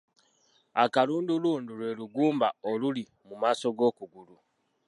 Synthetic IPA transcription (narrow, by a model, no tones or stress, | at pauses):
akaluːnduluːndulwe̞ːluɡuːmbaoluli | mumaːso̞ɡo̞ːkuɡulu